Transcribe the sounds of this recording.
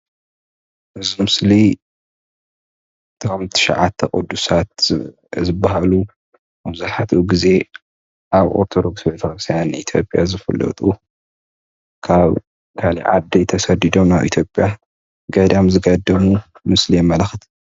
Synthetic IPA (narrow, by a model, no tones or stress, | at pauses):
ʔɨzimɨsli | t̪ʰɨkɐmt̪ʰɨ̥ʃa̰ʕat̪ʰːɐkʼɨd̪ːusat̪̚ | zɨbːaɦalu | aβzaħat̪ʰʔuɡize̞ | ʔaβo̰ɾt̪ʰo̞d̪o̞ksbet̪ʰɐxɾɨst̪ʰajanʔit̪ʰjo̞̰pʼja̰zɨfɐ̰lɐ̰t̪ʼu | kʰaβ | kʰalḭjʕa̰d̪ɐjt̪ʰɐsɐd̪id̪o̞mnaβʔḭt̪ʰjo̞pʼja | ɡɐd̪amzɨɡɐd̪ɐmumɨslijɛmːɐlaxt̪ʰ